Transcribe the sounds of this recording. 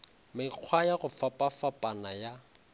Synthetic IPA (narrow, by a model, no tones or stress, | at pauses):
mɪq͡χʰwajaɣʊfapʼafapʼanaja